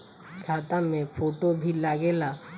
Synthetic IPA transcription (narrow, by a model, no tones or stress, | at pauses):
kʰat̪amefʰoʈobʱilːaɡela